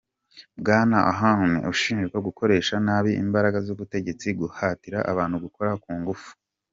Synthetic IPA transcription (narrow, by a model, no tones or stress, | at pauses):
bɡaːnaʔa̰ɦahumḛuʃiːnd͡ʒeko̞ɡukʰo̞ɾe̞ːʃanaːβiḭmbaɾaɡazuβute̞ɟe̞t͡siɡuhatiɾaʔaβaːn̥huɡuko̞ɾakuːŋɡufu̥